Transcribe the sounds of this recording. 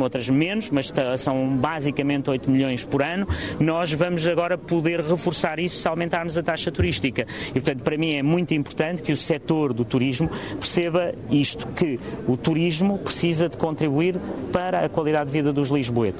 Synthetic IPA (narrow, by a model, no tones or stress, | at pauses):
ot̪ɾɐʒmenuʃmɐʃt̪ɐsɐ̃w̃bazikɐmẽnt̪ojt̪umʎõj̃ʃpuɾɐnunɔʒvɐmuʒɐɣɔɾɐpuðeɾʁɨfuɾsaɾisu̥sawˠmẽnt̪aɾmuzɐt̪aʃɐt̪uɾiʃt̪ikɐipɾt̪ɐ̃nt̪pɐɾɐmĩɛmũj̃t̪ĩmpʊɾt̪ɐ̃nt̪kusɛt̪oɾðut̪uɾiʒmupɨɾseβɐiʃt̪u̥kɨut̪uɾiʒmupɾɨsizɐðɨkõnt̪ɾiβuiɾpɐɾɐːkwɐlˠiðaðdːviðɐðuʒlˠiʒβoet̪